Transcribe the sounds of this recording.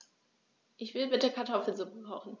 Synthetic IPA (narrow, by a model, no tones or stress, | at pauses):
ʔɪçv̥ɪlbɪt̚deəɐkʰaɐtʰɔfl̩zʊpəkʰɔχn̩